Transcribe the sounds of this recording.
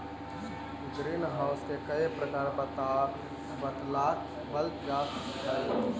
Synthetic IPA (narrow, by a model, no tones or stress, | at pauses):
d͡ʒɾinɦaʊskekəepɾəkaɾbət̪a | bət̪laːt̪ | bəlt̪d͡ʒaːs | tal